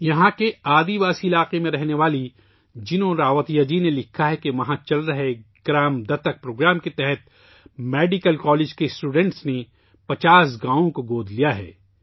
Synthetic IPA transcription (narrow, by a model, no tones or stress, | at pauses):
jɐɦãkeaːd̪iʋaːsiɪlaːqemẽɾɛɦneʋaːli | d͡ʒɪnõɾaːʋət̪ijad͡ʒinelɪkʰːaɦɛkeʋɐɦãt͡ʃɐlɾɐɦeɡ̥ɾaːmd̪ɐt̪ɐk̚pɾoːɡɾaːmket̪ɛɦɛt̪̚ | meːɖɪkəlkɔːleːd͡ʒkesʈuːɖɛ̃ɳʈsne | pɐt͡ʃaːs̬ɡãːʋõkoɡoːd̪ʱlijaɦɛ̰ː